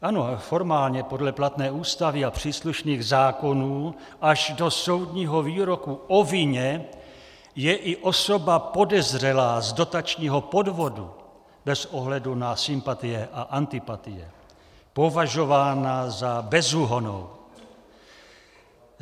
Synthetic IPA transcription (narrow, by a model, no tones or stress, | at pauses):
ʔano̞fo̞ɾmaːlɲɛpo̞dlɛplat̪nɛːuːst̪avɪapr̝̥iːsluʃniːɣzaːko̞nuː | ʔaʒdo̞so̞wdɲiːɦo̞viːɾo̞kuʔovɪɲɛ | jɛʔɪʔo̞so̞bapo̞dɛzr̝ɛlaːzdo̞t̪at͡ʃɲiːɦo̞po̞dvo̞du | bɛsoɦlɛdunasɪmpat̪ɪjɛʔaʔant̪ɪpat̪ɪjɛ̰ | po̞vaʒo̞vaːnazabɛzuɦo̞no̰w